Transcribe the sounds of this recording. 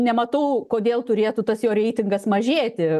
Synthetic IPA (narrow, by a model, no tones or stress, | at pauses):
nʲɛmɐt̪ɐʊkoːd̪ʲeːlˠt̪ʊɾʲeːt̪ʊt̪ɐsjoːɾʲɛɪt̪ʲɪŋɡɐsmɐʒʲeːt̪ʲɪ